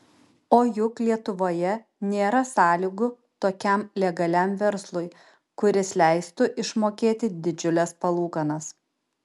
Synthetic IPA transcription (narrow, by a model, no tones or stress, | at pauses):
oːjʊklʲiɛt̪ʊʋoːjɛ | nʲeːɾɐsɑːlʲiɡʊ | t̪oːkʲɛmlʲɛɡɐlʲæˑmʋʲɛɾslˠʊj | kʊɾʲɪslʲɛˑɪst̪ʊʔɪʃmoːkʲeːt̪ʲɪd̪ʲɪd͡ʒʲʊlʲɛspɐlˠuːkɐnɐs